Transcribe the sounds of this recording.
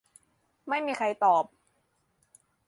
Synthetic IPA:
ma˥˩jmiː˧xʰa˧jt̪ɔː˨˩p̚

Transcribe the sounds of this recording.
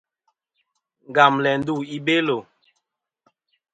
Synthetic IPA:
ŋ˨ɡa˨mlɛ˨n̩˦du˦˨i˦be˦lo˨

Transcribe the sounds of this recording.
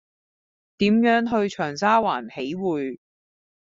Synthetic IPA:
t̪iː˨˥mjœː˨˥ŋɦɵ˧ɥt͡ʃʰœː˨˩ŋsaː˥waː˨˩nhe˨˥jwuː˨j

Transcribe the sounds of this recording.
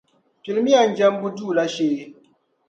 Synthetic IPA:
pi˨lmi˦a˨nd͡ʒɛ˦mbu˦du˦˨la˦ʃeː˨˦

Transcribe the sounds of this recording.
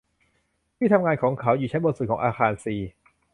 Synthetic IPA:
p̪ʰiː˥˩a˧mŋaː˧nkʰɔː˩˦ŋkʰa˩˦˥wjuː˨˩t͡ɕʰnbo˧n̚su˨˩kɔː˩˦ŋʔaː˧xaː˧nsiː˨˩

